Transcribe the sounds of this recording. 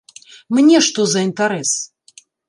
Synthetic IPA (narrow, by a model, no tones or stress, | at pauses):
mnʲɛʂt̪ɔzɐint̪aɾɛs